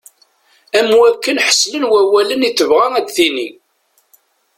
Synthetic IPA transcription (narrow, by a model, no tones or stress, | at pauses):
æmuækːənħə̥sːlənwæwæləniθːəvʁæŋæd̪θini